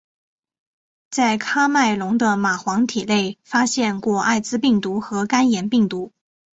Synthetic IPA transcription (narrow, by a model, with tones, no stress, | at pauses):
t͡sa˥˩ɪkʰa˥ma˥˩ɪlʊ˧˥ŋd̪ə˧ma˨˩xwɑ˧˥ŋt̪ʰi˨˩le˥˩ɪfa˥ɕjɛ˥˧nkwɔ˥˧a˥˩ɪt͡sɹ̩˥pi˥˩ŋt̪u˧˥xɤ˧˥ka˥njɛ˨˩npi˥˩ŋt̪u˧˥